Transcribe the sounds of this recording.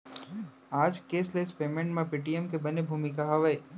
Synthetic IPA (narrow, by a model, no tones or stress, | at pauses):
aːd͡ʒkeːsleːspeːmẽɳʈmẽpiːʈijɛmkebɐnebʱuːmikaɦɐʋəe